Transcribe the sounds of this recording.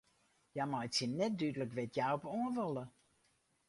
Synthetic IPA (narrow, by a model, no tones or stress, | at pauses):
jamajtsinɛt̚dydələkʋɪtʰjawɔpoənʋɔlˠə